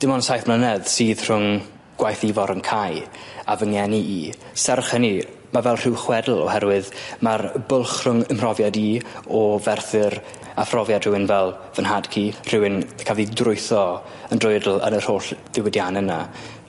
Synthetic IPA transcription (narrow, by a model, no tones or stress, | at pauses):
d̥ɪmɔnsajθmlənɛðsiːð̥r̥ʊŋ | ɡ̥wajθivɔɾənkʰajavəŋjɛniiː | sɛrχəni | mavɛlˠr̥ɪwχwɛdl̩ˠɔ̰hɛɾwɨðmarbʊlˠχr̥ʊŋəmrɔvjadiːɔvɛrθɨɾ | afrɔvjad̥r̥ɪwɪnvɛlˠ | vənhad̥kʰir̥ɪwɪnkʰavidrʊɨθɔ | əndrʊjdl̩ˠə̰nər̥oːɬð̥ɪwədjanɛna